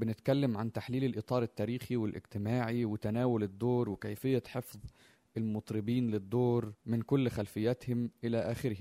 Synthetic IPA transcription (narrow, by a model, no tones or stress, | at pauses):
bɪnɪt̪kælːæmʕant̪aħliːlɪlʔɨt̪ˤɑːɾˤɪt̪ːæːɾiːxiwɪlʔɪ̰ɡt̪ɪmaːʕiwɪt̪ænæːwʊlɪd̪ːoːɾwɪkæjfɪjːæħefðˤ | ɪlmʊt̪ˤɾɪbiːnlɪd̪ːoːɾmɪnkʊlːxælfɪjːæt̪hɪmʔɪlæʔæːxɪɾhɪ